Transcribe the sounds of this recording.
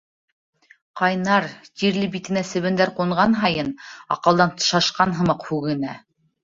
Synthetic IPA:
qɑjnɑɾt̪iɾlɘbit̪ɘ̆næsɘ̆βɘ̆nd̪æɾquɴʁɑnɦɑjɤnɑ̰qɤ̆lˠd̪ɑnt̪ɤ̥̆ʃɑʃqɑnɦɤ̆mɤqhʉɣɘ̆næ̰

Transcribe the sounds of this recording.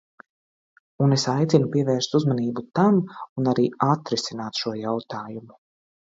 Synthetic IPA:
unesajt̪sinupiɛvɛːɾst̪uzmaniːbut̪amunaɾiːat̪ɾisinaːt̪ʃuɔjawt̪aːjumu

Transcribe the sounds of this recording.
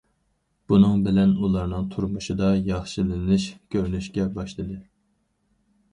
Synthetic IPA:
b̥unɨŋbɪlɛnulˠɑɾnɨŋt̪ʰuɾmuʃɨd̪ɑjɑχʃilɨnɨʃkʲʰøɾnyʃkʲɛbɑʃlˠɨd̪ɨ

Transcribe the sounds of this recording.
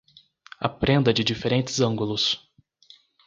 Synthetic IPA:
ɐ̰pɾẽnd̪ɐd͡ʒɪd͡ʒifeɾẽnt͡ʃɪzɐ̃ŋɡulʊs

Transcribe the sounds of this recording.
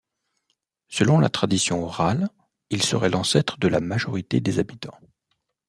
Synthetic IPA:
səlɔ̃la̰t̪χad̪isjɔ̃ɔʁal | ilsəʁɛlʔɑ̃sɛt̪χəd̪əlamaʒɔʁit̪ed̪ezabit̪ɑ̃

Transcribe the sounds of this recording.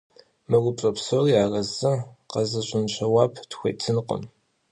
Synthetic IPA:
mɨɡʷʊpɕʼɐpsoːriaːrɐzɐqɐzɐɕʷʼɪnɕɐwaːpʰtxʷḛjt͡sʰɨnqʼə̰m

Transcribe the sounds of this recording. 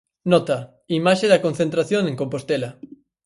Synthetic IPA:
nɔt̪ɐ | imaʃeðɐkonθẽnt̪ɾaθjoŋẽŋkompost̪elɐ

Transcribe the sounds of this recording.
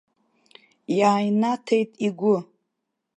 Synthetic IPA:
jaːjnatʰejtʼiɡʷʊ

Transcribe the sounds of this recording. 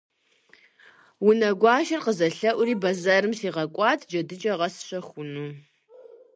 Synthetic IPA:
wʊnɐɡʷɑːʃɐrqəzɐɬɐʔʷʊriːbɐzaɾɨmsiːʁɐkʷʼɑːtʰd͡ʒɐdɨt͡ʃʼɐʁɐsɕɐxʷʊnuː

